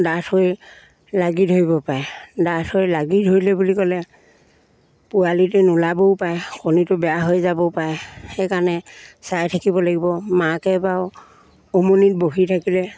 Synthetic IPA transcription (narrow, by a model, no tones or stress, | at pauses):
datoj | laɡitɦoibɔpaɛdatʰojlaɡitɦojlɛbulikɔlɛ | pʊalitɛnʊlabopajkʰonitʊbɛjaɦojzabɔpaɛxɛkanɛsajtʰakibɔlaɡibɔmakɛbaʊ | omonit̚boɦitʰakilɛ